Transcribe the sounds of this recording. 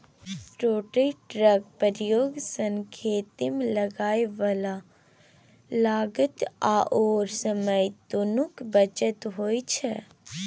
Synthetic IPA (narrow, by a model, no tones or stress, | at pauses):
ʈoːʈeʈɾəɡ̚pəɾjoːɡsə̃ŋkʰeːt̪ɪmlɐɡaːjʋala | laːɡət̪aːʔoːɾsəməjd̪onukbət͡ʃət̪ɦoːit͡ʃʰɛ